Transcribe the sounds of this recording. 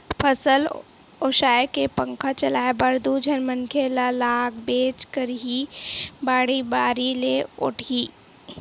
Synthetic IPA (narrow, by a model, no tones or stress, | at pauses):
pʰəsəl | oːʃaːekepə̃ŋkʰat͡ʃɐlaːebəɾd̪ud͡ʒʱənməŋkʰelalaːɡ̚beːt͡ʃkəɾɦibaːɽibaːɾileʊ̰ʈʰiː